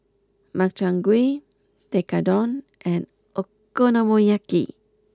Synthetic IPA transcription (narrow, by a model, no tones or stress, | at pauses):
mak̚t͡ʃaŋɡwi | t̪ekadɔn | ʔɛn | əkːonamojakḭ